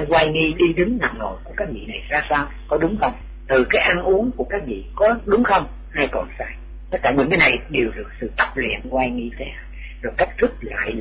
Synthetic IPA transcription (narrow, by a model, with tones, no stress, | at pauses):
kwaː˧jŋi˧ɗi˧ɗɨ˨˦ŋna̰ː˧˨ŋno̰˧˨jku˧˩əkaː˦˥k̚vḭ˧˨na˨˩jzaː˧saː˧w | kɔ˨˦ɗʊ˨˦ŋ͡mxə˧wŋ͡m | t̪ɨ˨˩kaː˨˦jʔa˧˩nʔu˨˦əŋku˧˩əkaː˦˥k̚vḭ˧˨kɔ˨˦ɗʊ˨˦ŋ͡mxə˧wŋ͡m | haː˧jkɔ˨˩nsaː˧j | t̪ə˦˥t̚kaː˧˩ɲḭ˨˧˩ŋkaː˨˦na˨˩jɗe˨˩wɗɨ˨˩ək̚sɨ̰˧˨t̪ə˦˥p̚lḭ˧˨ənkwaː˧jŋi˧t̪ʰe˨˦˧ | zo˨˩jka˦˥k̚t̪ʰɨ˦˥k̚la̰ː˧˨j